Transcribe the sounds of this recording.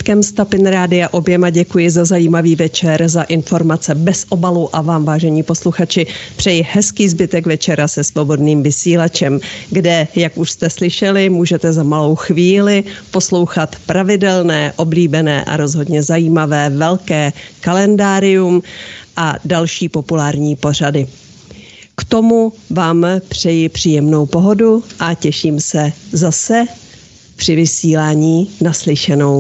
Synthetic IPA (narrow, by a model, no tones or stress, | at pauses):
kɛmst̪apɪnɾaːdɪjaʔo̞bjɛmaɟɛkujɪzazajiːmaviːvɛt͡ʃɛɾzaʔɪnfo̞ɾmat͡sɛbɛsʔo̞baluʔavaːmvaːʒɛɲiːpo̞sluxat͡ʃɪpr̝̥ɛjɪhɛskiːzbɪt̪ɛkvɛt͡ʃɛɾasɛsvo̞bo̞dniːmvɪsiːlat͡ʃɛmɡdɛjakʔuʃst̪ɛslɪʃɛlɪmuːʒɛt̪ɛzamalo̞wxviːlɪpo̞slo̞wxat̪pɾavɪdɛlnɛːʔo̞bliːbɛnɛ̰ːʔa̰ɾo̞zɦo̞dɲɛzajiːmavɛːvɛlkɛːkalɛndaːɾɪjumʔadalʃiːpo̞pulaːɾɲiːpo̞r̝adɪ | kt̪o̞muvaːmpr̥ɛjɪpr̝̥iːjɛmno̞wpo̞ɦo̞duʔacɛʃiːmsɛzasɛ | pr̥ɪvɪsiːlaːɲiːnaslɪʃɛno̞w